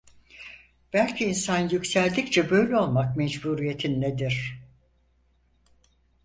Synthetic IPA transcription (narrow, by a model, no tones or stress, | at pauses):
b̥ælʲcʰiːnsanjycsælʲd̪ict͡ʃʰɛbø̞jlʲɛo̞lˠmak̚mɛd͡ʒbuɾije̞t̪ʰinːed̪iɾ̥